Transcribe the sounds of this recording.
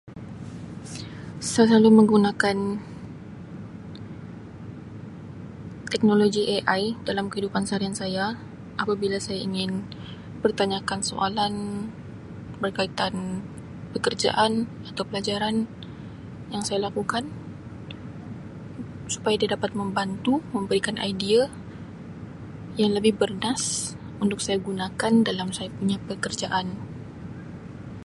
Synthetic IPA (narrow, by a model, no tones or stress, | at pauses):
sajaslaluməŋɡunakan | t̪ɛk̚noloɡiʔeʔajdalamkəidupansaɾiansaja | ʔapabilasajaiŋɪn | pərt̪aɲakanso̰ʔalan | bərkait̪an | pəkərd͡ʒa̰ʔan | at̪awpəlad͡ʒaɾan | jaŋsajalakukan | su̥pajadiadapat̪̚məmbant̪uməmbəɾikanʔa̰idia | jaŋləbɪhbərnas | unt̪ʊk̚sajaɡunakandalamsajapuɲapəkərd͡ʒaʔan